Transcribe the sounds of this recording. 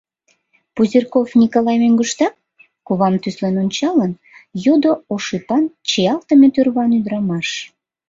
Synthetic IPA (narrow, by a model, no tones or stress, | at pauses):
puzʲirkofnʲikolɑjmøŋɡuʃt̪ɑk̚ | kuβɑmt̪yslenunʲt͡ɕɑlən | jud̪ooʃɨpɑnt͡ɕiɑlt̪əmet̪yrβɑnyd̪ɾɑmɑʃ